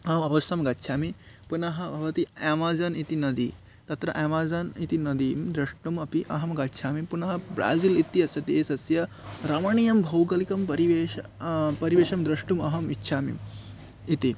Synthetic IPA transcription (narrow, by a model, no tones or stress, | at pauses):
ɐɐmɐʋɐst̪ʰɐmɡɐtːʃʰaːmipunɐɦɐbʱɐʋɐt̪iamaːd͡zɐnit̪inɐd̪ḭ | t̪ɐt̪ɾɐʔaːmaːd͡zɐnit̪inɐd̪iːmd̪ɾɐʂʈumɐpiʔɐɦɐmɡɐtːʃʰaːmipunɐɦɐbɾa̰ːzilit̪iɐsɐd̪eːsɐsjɐ | ɾɐmɐɳijɐmbʱɐwɡɐlikɐmpɐɾiʋeːɐpɐɾiʋeːʃɐmd̪ɾɐʂʈumɐɦɐmitːʃʰaːmḭm | it̪i